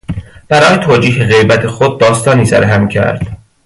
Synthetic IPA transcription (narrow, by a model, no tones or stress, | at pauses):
b̥æɾɒːjet̪ʰoːd͡ʒiːɦeɣe̞jbæt̪ʰe̞xod̪̚ːɒːst̪ɒːniːsæ̰ɾɦæmcʰæ̰ɾd̪̥